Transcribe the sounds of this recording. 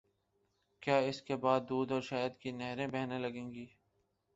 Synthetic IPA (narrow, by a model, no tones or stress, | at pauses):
kjaːɪskebaːd̪ːuːd̪ɔːɾʃaːjəd̪kinɛɦɾẽbɛɦnẽlɐɡẽːŋɡiː